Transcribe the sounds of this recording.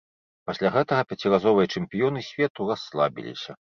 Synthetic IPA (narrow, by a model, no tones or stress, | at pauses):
pasʲlʲaɣɛt̪ɐɣɐpʲat͡sʲirazɔvɨjɐt͡ʂɛmpʲijɔnɨsʲvʲɛt̪urasːlˠa̰bʲḭlʲḭsʲɐ